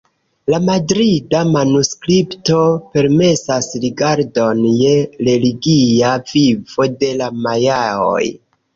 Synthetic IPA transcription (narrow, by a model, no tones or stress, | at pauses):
lamadɾidamanuskɾipto̞pe̞ɾme̞sasɾiɡaɾdo̞nje̞ɾe̞liɡiavivo̞de̞lamajao̰j